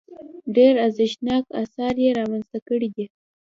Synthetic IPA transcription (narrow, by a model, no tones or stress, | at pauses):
ɖeɾazɪʃnɑkasɑɾjeɾɑmanz̥t̪akəɽid̪i